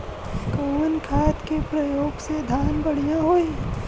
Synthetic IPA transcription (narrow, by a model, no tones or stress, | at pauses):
komənkʰaːt̪kepɾɐjoːɡsed̪ʱaːnbɐɽ̤ijãɦoi